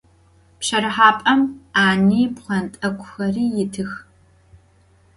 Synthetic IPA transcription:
pɕɐɾɨħaːpʼɐmaːniːpχʷɐntʼɐkʷʰʼʊxɐriːjɪtʰɨx

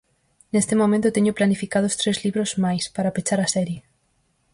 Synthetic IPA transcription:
nest̪emõmẽnt̪ot̪eɲoplanifikað̞ost̪ɾezliβɾozmajspaɾapet͡ʃaɾasɛɾje

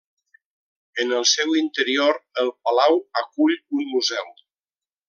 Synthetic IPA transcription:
ənəlˠsɛwint̪əɾioɾəlˠpalawakuʎunmuzɛw

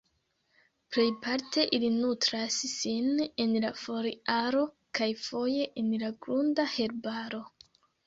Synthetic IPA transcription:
ple̞jpaɾte̞ʔilinutɾasːine̞nlafo̞ɾiaɾo̞ | kajfo̞je̞ʔenlaɡɾundahe̞ɾbaɾo̞

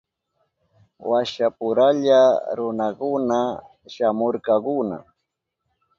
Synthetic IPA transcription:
waʃapʊɾaʎaɾʊnakʊna | ʃamoɾkɑkʊna̰

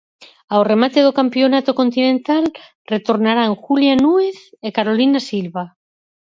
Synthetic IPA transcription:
aoremat̪eðokampjonat̪okont̪inẽnt̪al | ret̪oɾnaɾaŋxuljanueθekaɾolinasilβa

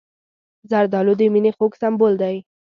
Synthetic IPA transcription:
zaɾd̪ɑlod̪əminexoksambold̪aj

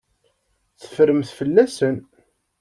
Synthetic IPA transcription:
θə̥fɾəmθfəlːæsən

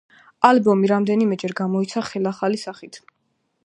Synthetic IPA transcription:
albɔmiɾamd̪ɛnimɛd͡ʒɛɾɡamɔit̪sʰaχɛlaχalisaχit̪ʰ

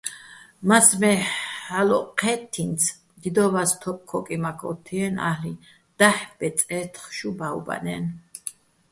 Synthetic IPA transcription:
masmɛalɔqʰɛt̪ʰːinsʰ | md̪id̪ɔvast̪ʰɔp̚kʰɔkʼimakʰɔt̪ʰːiɛna̰hli | d̪̥aħbɛt͡s̪ʼɛt̪ʰχʃubaṵba̰nɛ̰n

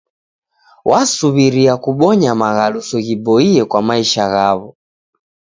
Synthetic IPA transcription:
wʔasuβiɾiakuɓɔɲamaɣalusɔɣibɔiɛkwamaiʃaɣaβɔ

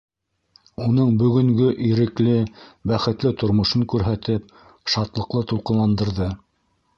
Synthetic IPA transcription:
unɤɴbɵ̆ɡɵ̆ŋɡɵʔiɾɘ̆klɘbæχɘ̆t̪lɘt̪ŏɾmŏʃɤŋkʉɾɦæt̪ɘp̚ | ʃɑt̪lˠɤ̆qlˠɤt̪ulˠqɤ̆nlˠɑnd̪ɤ̆ɾðɤ

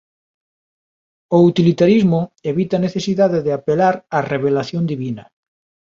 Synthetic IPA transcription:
out̪ilit̪aɾizmʊeβit̪ɐːneθesiðaðeðɪapelaɾareβelaθjond̪iβinɐ

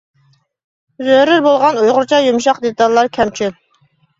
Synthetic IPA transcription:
zøɾɪɾbolˠʁɑnujʁʊɾt͡ʃʰɑjumʃɑqd̪et̪ɑlˠːɑɾkʲʰɛmt͡ʃʰyp

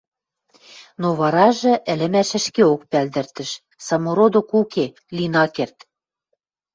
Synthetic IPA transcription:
noβɑɾɑʒɤ̆ʔɘ̆lɘ̆mæʃɘ̆ʃkeok̚pæld̪ɘ̆rt̪ɘ̆ʃ | sɑmoɾod̪okuke | linɑkert̪

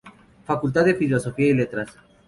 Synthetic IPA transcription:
fakult̪̬aðefilo̞so̞fiaile̞t̪ɾas

